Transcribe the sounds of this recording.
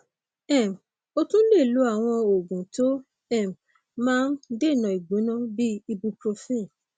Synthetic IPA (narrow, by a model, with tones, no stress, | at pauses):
ɛ˦˨m˨ | o˧tũ˦le˦˨lu˨˦a˦˨w̃ɔ̃˧o˨ɡũ˨to˦ | ɛ˦˨m | mãː˦n̩˦de˦˨nã˨i˨ɡ͡bũ˨˦nã˦bi˦i˧bu˧pɾo˧fe˦˨